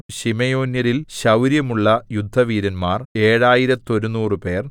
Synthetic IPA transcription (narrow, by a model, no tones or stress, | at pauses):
ɕimejo̞ːnjɐɾilɕɐwɾjɐmuɭːɐjud̪ʱːɐʋiːɾɐnmaːre̞ːɻaːjiɾɐt̪ːo̞ɾunuːrɨpe̞ːr